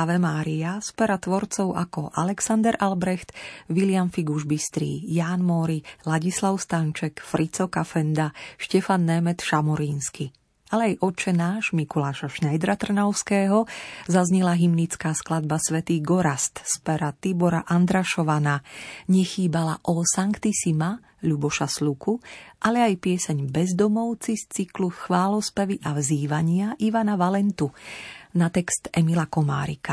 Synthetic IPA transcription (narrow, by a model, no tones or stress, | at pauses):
aʋɛmaːɾiaspɛɾat̪ʋɔɾt͡sɔʊʔa̰kɔʔalɛksand̪ɛɾʔalbɾɛxt̪ʋilɪamfiɡuʒbist̪ɾḭːjaːnmɔːɾilaɟislaʊst̪ant͡ʃɛkfɾit͡sɔkafɛnd̪aʃcɛfanːɛmɛt̪ʃamɔɾiːnski | alɛajʔɔt͡ʃɛnaːʃmikɔlaːʃaʃnajd̪ɾat̪r̩naʊskɛːɦɔzazɲɛlaɦimnit͡skaːsklad̪̚basʋɛt̪iːɡɔɾast̪spɛɾat̪ibɔɾaʔand̪ɾaʃɔʋanaɲɛxiːbalaʔɔsaŋkt̪isima | ʎubɔʃaslukuʔalɛajpɪɛsɛɲbɛzd̪ɔmɔʊt͡sist͡sikluxʋaːlɔspɛʋiʔavziːʋaɲɪaʔiʋanaʋalɛnt̪unat̪ɛkst̪ɛmilakɔma̰ːɾḭka